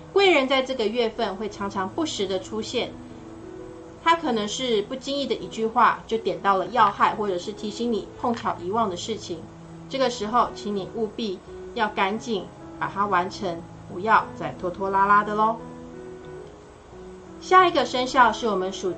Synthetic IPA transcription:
kwe˥˩ɪɻə˧˥nt͡sa˥˧ɪʈ͡ʂɤ˥˩ɡə˩ɥɛ˥˧fə˥˧nxwe˥˩ɪʈ͡ʂʰɑ˧˥ŋʈ͡ʂʰɑ˧˥ŋpu˥˩ʂɻ̩˧˥d̪ə˨ʈ͡ʂʰu˥ɕjɛ˥˩n | t̪ʰa˥kʰɤ˨˩nɤ˧˦˥ŋʂɻ̩˥˧pu˥˩t͡ɕi˥ŋi˥˩d̪ə˩ʔi˧˥t͡ɕy˥˧xwa˥˧t͡ɕjo˥˩ʊt̪jɛ˨˩nt̪ɑ˥˩ʊlə˩jɑ˥˧ʊxa˥˧ɪxwɔ˥˩ʈ͡ʂɤ˨˩ʂɻ̩˥˩t̪ʰi˧˥ɕi˥ŋni˨˩pʰʊ˥˧ŋt͡ɕʰjɑ˨˩ʊʔi˧˥wɑ˥˩ŋd̪ə˩ʂɻ̩˥˩t͡ɕʰi˨˦ŋ | ʈ͡ʂɤ˥˩ɡə˩ʂɻ̩˧˥xo˥˧ʊt͡ɕʰi˧˥ŋni˨˩ʔu˥˧pi˥˧ | jɑ˥˩ʊka˧˥nt͡ɕi˨˩ŋ | pa˨˩t̪ʰa˥wa˧˥nʈ͡ʂʰə˧˥ŋ | pu˧˥jɑ˥˧ʊt͡sa˥˩ɪt̪ʰwɔ˥t̪ʰwɔ˥la˥la˥d̪ə˨lə˨˩ | ɕja˥˩i˧˥ɡə˧˨ʂə˥ŋɕjɑ˥˧ʊʂɻ̩˥˩wɔ˨˩mə˦nʂu˨˩

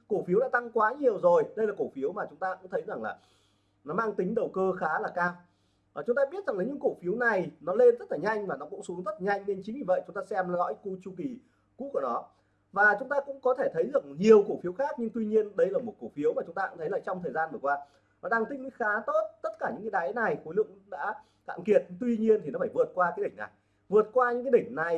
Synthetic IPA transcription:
ko˧˩fi˨˦wɗa̰ː˧˥t̪a˧ŋkwaː˨˦ɲi˨˩əwzo˨˩jɗə˧jlaː˨˩ko˧˩fi˨˦əwmaː˨˩t͡ɕʊ˨˦ŋ͡mt̪aː˧ʔʊ̰˧˥ŋ͡mt̪ʰə˨˦jza˨˩ŋlaː˨˩ | nɔ˨˦maː˧ŋt̪ï˨˦ŋ̟ɗə˨˩wkəː˧xaː˨˦laː˨˩kaː˧w | t͡ɕʊ˨˦ŋ͡mt̪aː˧ɓi˦˥t̚za˨˩ŋla˨˩ɲɨ̰˧˥ŋko˧˩fi˨˦wna˨˩jnɔ˨˦le˧nzə˦˥t̚laː˨˩ɲa˧jŋ̟maː˨˩nɔ˨˦kʊ̰˧˥ŋ͡msu˨˦əŋzə˦˥t̚ːɲa˧jŋ̟ne˧nt͡ɕï˨˦ŋɲi˧˩və˧˨jt͡ɕʊ˨˦ŋ͡mt̪aː˧sɛ˧m˦lɔ̰˧˥jku˧t͡ɕu˧ki˨˩ | kṵ˧˥ku˧˩nɔ˨˦ | vaː˨˩t͡ɕʊ˨˦ŋ͡mt̪aː˧kʊ̰˧˥ŋ͡mkɔ˨˦t̪ʰe˧˩t̪ʰə˨˦jzɨ˨˩ə˩k̚ɲi˨˩əwko˧˩fi˨˦əwxaː˦˥k̚ɲɨ˧ŋt̪wi˧ɲi˧ənɗə˧jlaː˨˩mo˨˩t̚ko˧˩fi˨˦wmaː˨˩t͡ɕʊ˨˦ŋ͡mt̪aː˧ʔa̰˧˥t̪ʰjlaː˨˩t͡ɕɔ˧wŋ͡mt̪ʰəː˨˩jzaː˧nvɨ˨˩kwaː˧ | ɔ˨˦ɗaː˧ŋt̪ï˧˥ŋɲɨ̰˧˥xaː˨˦t̪o˦˥t̚t̪ə˦˥t̚kaː˧˩ɲɨ̰˧˥ŋkːaː˨˦ɗaː˨˦jna˨˩jxo˨˦lɨ̰˧˨ŋɗa̰ː˧˥ | k̪a̰ː˧˨ki˨˩ət̚t̪wi˧ɲi˧ənt̪i˨˩nɔ˨˦faː˧˩jvɨ˨˩ət̚kwaː˧kaː˨˦ɗï˩ŋ̟na̰˨˩j | vɨ˨˩ət̚kwaː˧ɲɨ̰˧˥ŋaː˨˦jɗï˧˩ŋ̟na˨˩j

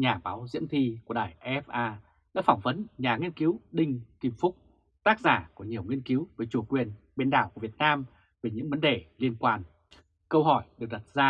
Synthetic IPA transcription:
ɲaː˨˩ɓaː˨˦wzḭ˧˥əmt̪ʰi˧ku˧˩əɗaː˧˩jʔɛ˦˥f̚ʔaː˧ | na̰ː˧˥fa˧˩wŋ͡mvə˨˦nɲaː˨˩ŋi˧ənki˨˦wɗï˧ŋ̟ki˨˧˩mfʊ˦˥k͡p̚ | t̪aː˦˥k̚zaː˧˩ku˧˩əɲi˨˩əwŋwi˧ənki˨˦wvəː˨˦jt͡ɕu˧˩kwi˨˩ən | ɓe˧nɗa̰ː˧˩wk̚əvi˨˩ət̚naː˧m | ve˨˩ɲɨ̰˧˥ŋvə˨˦nɗe˧˨˩li˧ənkwaː˧˩n | kə˧wɦɔ˧˩jɗɨ˨˩ək̚ɗa˨˩t̚zaː˧

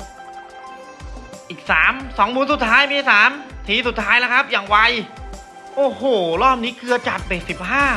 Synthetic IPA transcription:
ʔiː˨˩k̚saː˩˦msɔː˩˦ŋmuː˧nsu˨˩t̪ʰːaː˦˥jmiː˧saː˩˦mt̪ʰiː˨˦su˨˩t̪ʰːaː˦˥jla˦˥kʰa˦˥p̚jaː˨˩ŋwa˧j | ʔoː˨˧˩hoː˨˩ɾɔː˥˩p̚niː˦˥kʰɯ˧ɐt͡ɕa˨˩t̪̚peː˨˩t̪̚si˨˩p̚haː˥˩

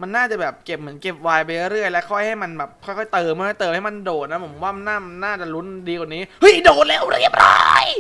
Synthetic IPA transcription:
ma˧nːaː˥˩t͡ɕa˨˩bɛː˨˩p̚ke˨˩p̚mɯ˩˦ənke˨˩p̚waː˧jpa˧jɾɯ˥˩əjlɛ˦˥kʰɔ˥˩jha˥˩jma˧nbɛː˨˩p̚kʰɔ˥˩jxʰɔ˥˩jt̪ɤː˧˩mː˧˦ha˥˩t̪ɤː˧mha˥˩jma˧ndoː˨˩t̪̚na˦˥pʰmwaː˥˩ma˧nːaː˥˩ma˧nːaː˥˩t͡ɕa˨˩lu˦˥ndiː˧kwa˨˩niː˦˥hɤ˦˥˩jdoː˨˩t̪̚le˦˥˩wɾi˥˩əp̚ɾa̰ː˦˥j

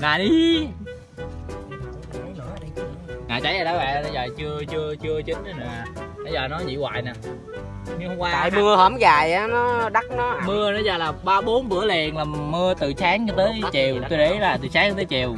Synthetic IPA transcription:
naː˨˩ɗi˨˦˨ | a˨˦jnɨ̰˧˩ə˧˨i˧ŋa̰ː˧˨t͡ɕa˧˩jaː˨˩ɗa˨˦wa̰˧˨ʔna˧˩zəː˨˩t͡ɕɨ˧ət͡ɕɨ˧ət͡ɕɨ˧ət͡ɕï˨˦ŋ̟˧˩naː˨˩ɗa˨˦jzəː˨˩nɔ˨˦zḭ˧˨wa̰ː˧˨jnaː˨˩ | ɲɨ˧ŋhə˧wŋ͡mkwaː˧˨jmɨ˧əhəː˧˩mɣaː˨˩jʔaː˨˦nɔ˨˦ɗa˦˥k̚nɔ˨˦mɨ˧ənɔ˨˦zaː˨˩laː˨˩ɓaː˧ɓo˨˦nɓɨ̰˧˥˩əlɛ˨˩nlaː˨˩mɨ˧ət̪ɨ˨˩saː˨˦ŋa˧t̪əː˨˦jt͡ɕi˨˩wt̪o˧jɗe˧˨˦laː˨˩t̪ɨ˨˩saː˨˦ŋa˧t̪əː˨˦jt͡ɕi˨˩w

